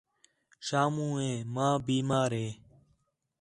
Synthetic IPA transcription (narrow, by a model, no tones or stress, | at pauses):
ʃaːmũːẽːmãːbiːmaːɾɦeː